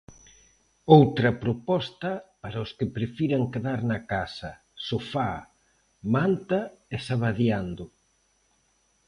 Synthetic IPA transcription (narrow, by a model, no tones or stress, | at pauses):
owt̪ɾɐpɾopɔst̪ɐpaɾaʊskɪpɾefiɾaŋkeðaɾnɐkasɐ | sofa | mant̪aesaβaðjand̪ʊ